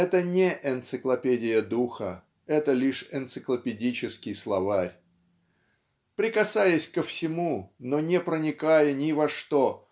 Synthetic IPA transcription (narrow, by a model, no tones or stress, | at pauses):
ɛt̪ənʲɪʔɛnt̪sɨklˠɐpʲedʲɪjəd̪uxə̰ | ɛt̪əlʲiʂɪnt̪sɨklˠəpʲɪdʲit͡ɕɪskʲɪjslˠɐvarʲ | pɾʲɪkɐsajəsʲkəfsʲɪmunonʲɪpɾənʲɪkajənʲɪvɐʂt̪o